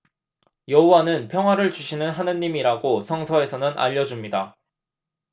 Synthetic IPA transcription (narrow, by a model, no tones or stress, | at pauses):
jʌɦowanɯnpʰjʌŋɦwaɾɯɭt͡ɕuɕʰinɯnɦanɯɲːimiɾaɡosʰʌŋsʰʌe̞sʰʌnɯnʔa̰ʎːʌd͡ʑumɲida